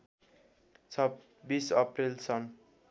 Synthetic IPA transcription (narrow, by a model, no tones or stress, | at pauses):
t͡sʰʌ | bisʌprilsʌn